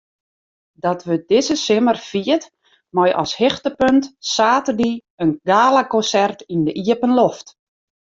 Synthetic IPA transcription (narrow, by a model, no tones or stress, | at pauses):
dɔtʋøt̚dɪzəsɪmərfiət | mɔjʔɔ̰shɪxtəpøntsaːtərdi | ənɡaːlakɔnsɛrtindəʔiəpənloft